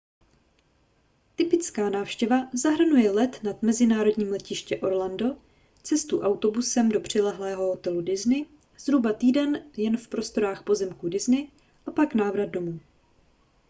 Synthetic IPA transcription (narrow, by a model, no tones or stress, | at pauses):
t̪ɪpɪt͡skaːnaːfʃcɛvazaɦr̩nujɛlɛt̪nad̪mɛzɪnaːɾo̞dɲiːmlɛcɪʃcɛʔo̞ɾlando̞ | t͡sɛst̪uʔawt̪o̞busɛmdo̞pr̝̥ɛlɛɦlɛːɦo̞ɦot̪ɛludɪznɪ | z̥ɾubat̪iːdɛnjɛnfpɾo̞st̪o̞ɾaːxpo̞zɛmkudɪznɪ | ʔapaknaːvɾad̪̚do̞muː